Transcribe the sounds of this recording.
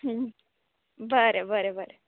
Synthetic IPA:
bəɾebəɾebəɾe

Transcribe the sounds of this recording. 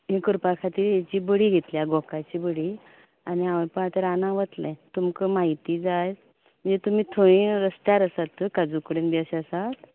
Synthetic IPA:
ɦekəɾpakʰat̪iːɾjet͡ɕiːbəɽiːɡʱet̪ljaɡʱokat͡ɕiːbəɽi | aniaʋəpəat̪əɾanãʋət̪lɛ̃t̪umkəmaɦit̪iːd͡zaj | m̤ə̃nd͡zet̪um̤iːt̪ʰoɭ̃ĩɾəst̪jaɾəsat̪ːəkad͡zukəɽenbaɕasat̪

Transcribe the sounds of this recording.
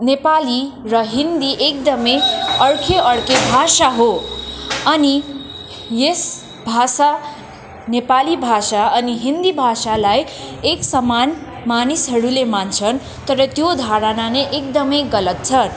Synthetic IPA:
nepalirʌɦind̪iʔek̚d̪ʌmʌjʌrkʰeʔʌrkʰebʱasaɦo | ʌni | jes | bʱasa | nepalibʱasaʌniɦind̪ibʱasalajeksʌman | manisɦʌɾulemant͡sʰʌn | t̪ʌɾʌt̪jod̪ʱaɾʌnaneʔekd̪ʌmʌjɡʌlʌt̪̚t͡sʰʌn

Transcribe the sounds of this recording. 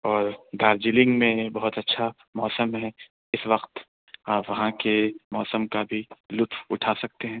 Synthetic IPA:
ɔːɾd̪aːɾd͡ʒilɪ̃ŋɡmẽbɐɦʊt̪ɐtːʃʰa | mɔːsəmɦɛ | ɪsʋɐqt̪ | aːpʋɐɦãkemɔːsəmkabʱilʊt̪wʊʈʰaːsɐk̚t̪eɦɛ̃ː

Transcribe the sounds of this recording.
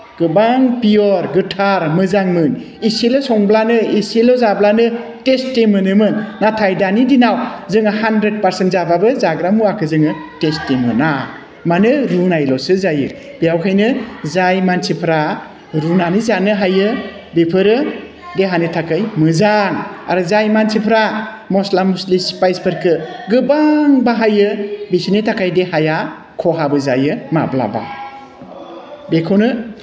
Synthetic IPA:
ɡ̥ɯbaŋpiɔɾɡɯtʰaɾmɯzaŋmɯn | iselɔsɔŋblanɯiselɔzablanɯtestemɯnɯmɯnːatʰajdanidinawzɯŋɯhandɾed̚paɾsentzababɯzaɡɾamuakʰɯzɯŋɯtestemɯ̰na | manɯɾunajlɔsɯzajɯ | b̥ijawkʰajnɯzajmansipʰɾa | ɾunanizanɯɦajɯ | bepʰɯɾɯ | deɦanɯtʰakajmɯzaŋa̰ɾɯzajmansʰipʰɾa | mɔslamuslispajspʰɯɾkʰɯɡɯbaŋbaɦajɯbisinitʰakajdeɦaja | kʰɔɦabɯzajɯma̰bla̰ba̰ | bekʰonɯ

